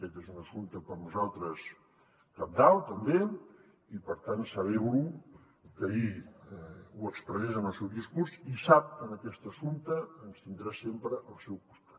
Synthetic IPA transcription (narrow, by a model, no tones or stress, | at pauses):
kɛt̪ezunəsunt̪əpəɾnuzalˠt̪ɾəs | kap̚d̪awt̪əmbe | ipəɾt̪ant̪səβ̞ɛβu | kəi | uəksp̪ɾənɛzənəlˠsɛwðiskuɾsisap̚kənəkɛst̪əsunt̪əːnst̪ind̪ɾasempɾəʔəlˠsɛwkust̪ḁt̪